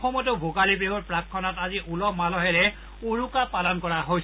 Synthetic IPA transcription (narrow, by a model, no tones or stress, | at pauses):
xɔmɔtʊbʱokalibiɦɔɹpɹakʰːɔnataziʔulɔmalɔɦɛlɛ | uɹukapalɔnkɔɹaɦojs